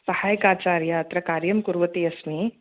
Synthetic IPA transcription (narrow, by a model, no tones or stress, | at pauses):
sɐhaːjkaːt͡ʃaːɾjaːt̪ɾɐkaːɾjɐmkuɾʋɐt̪iɐsmi